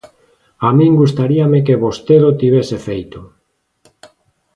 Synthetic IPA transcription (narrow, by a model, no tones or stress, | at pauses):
amĩŋɡust̪aɾiamek̬eβost̪eðot̪iβ̞esefejt̪o